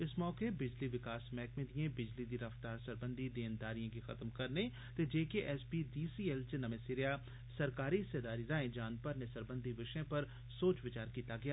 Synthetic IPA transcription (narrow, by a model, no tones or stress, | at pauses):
ɪsmɔːkebɪd͡ʒliʋɪkaːsmɛ̃ːkmẽd̪ijẽbɪd͡ʒlid̪iɾɐft̪aːɾsəɾbə̃nd̪ʱid̪eːnd̪aːɾijãkixɐt̪mkɐɾne | t̪ed͡ʒeːkeʔɛːsbidiːsiːɛlt͡ʃnɐmẽsɪɾja | sɐɾkaːɾised̪aːɾiɾãːẽd͡ʒaːnpɐɾnesəɾbə̃nd̪ʱiʋɪʃẽpɐɾ | soːt͡ʃʋɪt͡ʃaːɾkiːt̪aɡɐjaː